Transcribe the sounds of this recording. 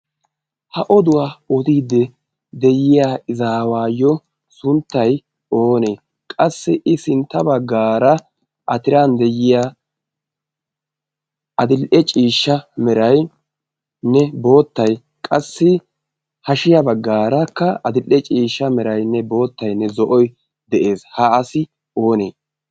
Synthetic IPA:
hɐʔɔd̪ʊwaːɔd̪iːd̪ːɛ | d̪ɛjɪjaːɪzaːwaːjːɔ | sʊnt̪ːɐj | o̞ːne̞ː | kʼɐsːɪʔɪsɪnt̪ːɐbɐɡːaːɾɐ | ʔɐt̪ɪɾand̪ɛjɪja | ʔɐd̪ɪlʔɛt͡ʃʼiːʃːɐmɛɾɐj | nɛbo̞ːt̪ːɐj | kʼɐsːɪ | hɐʃɪjɐbɐɡːaːɾɐkːɐɐd̪ɪlʔːɛt͡ʃʼiːʃːɐmɛɾɐjnːɛbo̞ːt̪ːɐjnːɛzɔʔɔj | d̪ɛʔe̞ːshɐːsɪ | oːneː

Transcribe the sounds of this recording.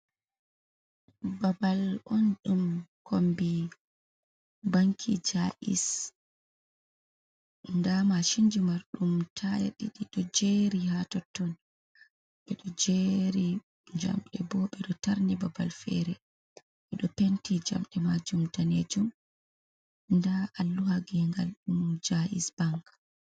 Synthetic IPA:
babalʔɔnɗumkʰombi | baŋkʰid͡ʒaʔḭs | ndamaʃind͡ʒimaɾɗumtʰaja̰ɗiɗiɗɔd͡ʒeɾihatɔtːɔn | ɓɛɗɔd͡ʒeɾi | d͡ʒa̰mɗɛbɔɓɛɗɔtaɾnibabalfɛ̰ɾɛ | ʔɛɗɔpɛntid͡ʒa̰mɗɛmad͡ʒumdaned͡ʒum | ndaʔalːuhaɡiɛŋɡalɗumd͡ʒaʔisb̥aŋk

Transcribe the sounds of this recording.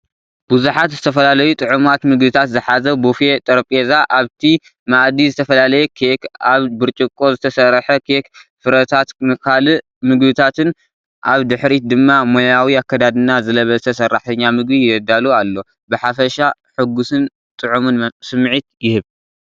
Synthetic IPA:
b̥uzuħat̪zɨt̪ʰɐfɐlalɐjut̪ʼɨʕumat̪mɨɡbɨt̪ʰat̪zɨħazɐbufe̞t̪ʼɐɾpʼezaʔaβt̪ʰi | maʔd̪izɨt̪ʰɐfɐlalɐjɛkʰekaβbɨɾt͡ʃʼɨkʼːo̞zɨt̪ʰɐsɐrħɐkʰekfɨɾɐt̪ʰat̪mɨkʰal | mɨɡbɨt̪ʰat̪ʰɨn | ʔaβd̪ɨħɾit̚d̪ɨmːamo̞jawiakʰːɐd̪ad̪ɨnazɨlɐβɐzɨt̪ʰɐsɐrːaħt̪ʰɐɲːamɨɡbijɐd̪alualːo̞ | bɨħafɐʃaħɨɡusɨn | t̪ʼɨʕumɨnsɨmʕit̪jɪhɨβ

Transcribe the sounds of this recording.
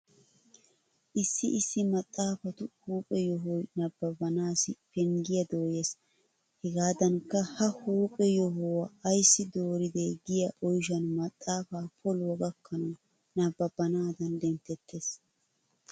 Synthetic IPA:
ʔɪsːɪʔɪsːɪmɐt̪ʼːaːfɐt̪ʊhuːpʼɛjɔɦɔjnɐbːɐbɐnaːsɪpɛŋɡɪjɐd̪oːjeːs | hɛɡaːd̪ɐnkːɐhɐhuːpʼɛjɔɦɔwɐɐjsːɪd̪oːɾɪd̪eɡɪjɐʔɔjʃɐnmɐt̪ʼːaːfaːpʰɔlwɐɡɐkːɐnɐ | nɐbːɐbːɐnaːd̪ɐnd̪ɛmt̪ɛt̪ʰːeːs

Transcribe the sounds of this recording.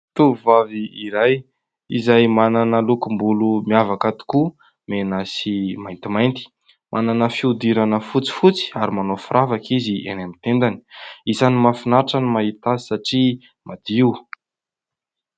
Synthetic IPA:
t̪uvaviiɾaj | izajmananəlukumbulumiavakat̪u̥ku | menasimajnt̪imajnt̪i̥ | mʔananəfiud̪iɾanəfut͡si̥fut͡si̥aɾimanofuɾʔavakizienamit̪end̪ani̥izanimafinaʈ͡ʂanimaɦit̪azi̥saʈ͡ʂi | mad̪̥iiw

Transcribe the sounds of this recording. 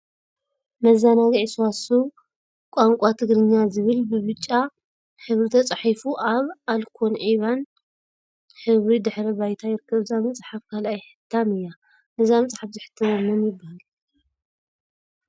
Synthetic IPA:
mɐzːanaɡʕiswasu | kʷʼaŋkʷʼat̪ʰɨɡɾɨɲːazɨβɨlbɨβɨt͡ʃʼːa | ħɨβɾit̪ʰɐt͡sʼħifuʔaβʔalkʰo̞nʕiβan | ħɨβɾid̪ɨħɾɐβajt̪ʰajɪɾɨkʰːɐβɨzamɨt͡sʼħafkʰalʔajħɨ̥t̪ʰːamɨjːa | ʔɨzamɐt͡sʼħafzɨħɨ̥t̪ʰːɐβɐmːɐmjɪbːahal

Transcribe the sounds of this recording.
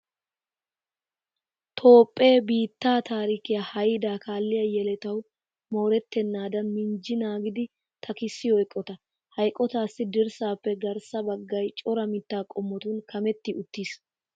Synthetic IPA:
t̪ʰo̞ːpʼːe̞ːbiːt̪ːaːt̪aːɾikɪjaːhɐjd̪aːkaːlːɪjɐjɛlɛt̪ɐw | moːɾɛt̪ːɛnːaːd̪ɐnmɪnd͡ʒɪnaːɡɪd̪ɪ | t̪ʰɐkɪsːɪjɔɛkʼːɔt̪ɐ | hɐjkʼːɔt̪aːsːɪd̪ɪɾsaːpːɛɡɐɾsɐbɐɡːɐjt͡ʃʼɔɾɐmɪt̪ːaːkʼɔmːɔt̪ʊnkʰɐmɛt̪ːɪʔʊt̪ːiːs

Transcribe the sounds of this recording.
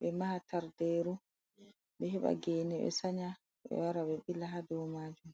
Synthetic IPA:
ɓɛmahataɾdeːɾu | ɓɛɦɛɓa̰ɡeːnɛɓɛ̰saɲa | ɓɛ̰waɾaɓɛɓilaɦadɔmaːd͡ʒum

